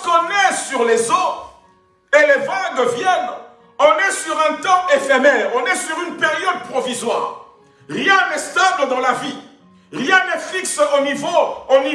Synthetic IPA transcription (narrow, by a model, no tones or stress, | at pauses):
kɔ̃nɛsyʁlezo | elevaɡvjɛn | ɔ̃nɛsyʁɛ̃t̪ɑ̃ʔefɛmɛːʁɔ̃nɛsyʁynpeʁjɔd̪̚pχɔvizwa̰ːʁ | ʁjɛ̃nɛst̪abləd̪ɑ̃lavi | ʁjɛ̃nɛfiksonivooni